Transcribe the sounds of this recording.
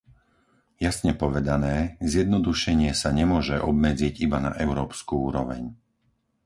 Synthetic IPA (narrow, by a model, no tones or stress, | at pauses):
jasɲɛpɔʋɛd̪anɛːzjɛd̪nɔd̪uʃɛɲɪɛsaɲɛmʊɔʒɛʔɔbmɛd͡ziɟibana̰ʔɛʊɾɔːpskuːuːɾɔʋɛ̰ɲ